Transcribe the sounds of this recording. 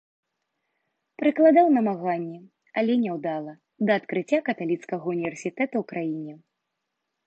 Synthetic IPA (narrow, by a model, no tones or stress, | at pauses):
pɾɨklˠad̪awnɐmaɣanʲːɛ | ɐlʲɛnʲɛwd̪alˠɐ | d̪ɐːt̪kɾɨt͡sʲːakɐt̪alʲit̪skɐɣɐunʲivʲɛrsʲit̪ɛt̪uwkɾajinʲɛ